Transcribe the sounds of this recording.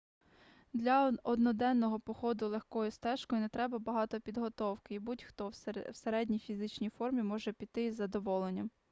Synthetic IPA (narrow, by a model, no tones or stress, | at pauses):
d̪lʲɐɔd̪nɔd̪ɛnːɔɦɔpɔxɔd̪ʊlˠexkɔjʊst̪ɛʃkɔjʊnɛt̪ɾɛbɐbɐɦɑt̪ɔpʲid̪ɦɔt̪ɔwkɪibutʲxt̪ɔwwseɾɛdʲnʲijfʲizɪt͡ʃnʲijfɔrmʲimɔʒɛpʲit̪ɪzːɐd̪ɔʋɔlˠenʲːɐm